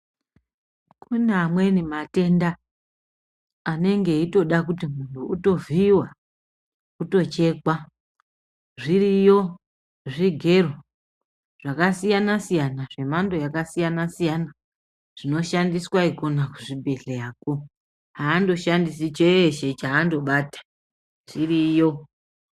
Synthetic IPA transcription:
kunamwe̞nimate̞nda | ane̞ŋɡe̞ito̞ɗakutimuntʰuuto̞viwa | kuto̞t͡ʃe̞kwa | ʐiɾijo̞ | ʐiɡʱe̞ru | ʐakasijanasijanaʐe̞mando̞jakasijanasijana | ʐ̥ino̞ʃandiswaiko̞nakuʐibʱe̞ɬejaːko̞ | ɦaːndo̞ʃandisit͡ʃeeʃe̞t͡ʃaːndo̞ɓaːtḁ | ʐirijo̞

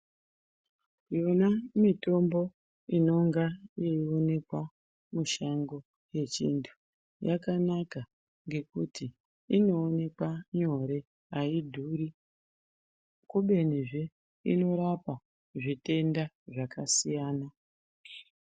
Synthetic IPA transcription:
jonamito̞mbo̞ | ino̞ŋɡajeio̞ne̞kwa | muʃaŋɡo̞ | je̞t͡ʃintʰu̥ | jakanaka | ŋɡe̞kutʰi | ino̞ːne̞kwaɲo̞ɾe̞ | aidʱuːɾi | kuɓe̞niʐe | ḭno̞ɾapa | ʐite̞nda | ʐakasijaːna

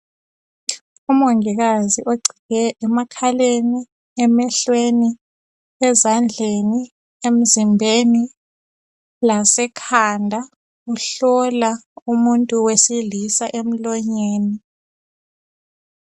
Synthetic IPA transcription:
umoŋiɣ̬aziʔoɡ͡ǀʱiɣɛɛmakʰaleni | ɛmɛɬweni | ɛzand͡ɮʱeni | em̩zimbʱeni | lasɛkʰandʱa | uɬɔlaumuntʼuwesilisaʔem̩lɔɲeːni

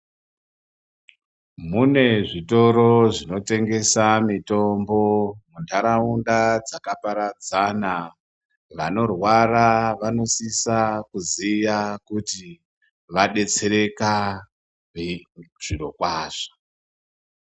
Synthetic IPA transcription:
mune̞ʐito̞ɾo̞ʐino̞te̞ŋɡe̞samito̞mbo̞mundaɾaundad͡zakapaɾad͡zana | ʋano̞rwaraʋano̞sisakuzijakuti | ʋaɗe̞t͡se̞ɾe̞ka | ʐ̥ino̞kwaːʂḁ

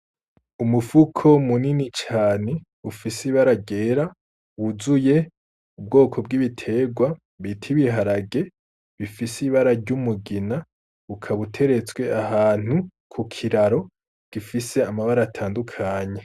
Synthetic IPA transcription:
umufukʰo̞muninit͡ʃaːne̞ | ufisiβaɾaɟe̞ːɾa | wuzuje̞ | ub̚ɡo̞ːkʰo̞b̚ɡiβitʰe̞ɡwa | βitʰiβiɦaɾaɡe̞ | βifisiβaɾaɾɟumuɡina | βukʰaβutʰe̞ɾe̞t͡swe̞ʔahaːn̥hu | kʰukʰiɾaɾo̞ | ɡ̥ifise̞amaβaɾatʰaːndukʰaːɲe

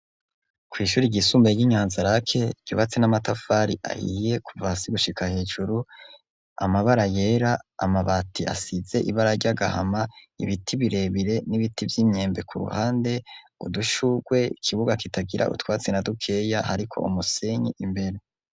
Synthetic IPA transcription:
kwiːʃuːɾiɟisuːmbeɟiɲaːnzaɾakʰe̞ɟ̥uβat͡senamatafaɾḭʔa̰hḭje̞kuvasiɡuʃikʰahe̞ːʒuɾu | a̰maβaɾaje̞ɾa̰ːmaβatʰia̰size̞ʔiβaɾaɾɟaɡa̰ha̰maḭβitʰiβiɾe̞βiɾe̞niβitivjiːmɲe̞ːmbe̞kʰuɾṵhaːnde̞ | uduʃuɡwe̞ikʰiβuɡakitaɡiɾʔa̰ṵtwaːt͡senadukʰe̞jahaɾikʰo̞̰ʔumuseɲiʔimbe̞ɾe

